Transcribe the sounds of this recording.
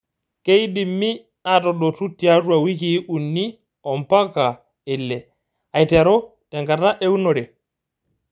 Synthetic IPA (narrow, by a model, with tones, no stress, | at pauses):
ke˦jdi˨mːi˦ | a˨tɔ˨ɗɔ˨tu˦tːi˨a˦tu˦a˨wi˦ki˦ʔu˨nːi˦ | ɔ˨mpa˦ka˨ | ɛ˨lːɛ˨ | a˨jtɛ˨ɾɔ˦tɛ˨ŋɡa˨ta˦ʔe˦wu˦nɔ˨ɾɛ˨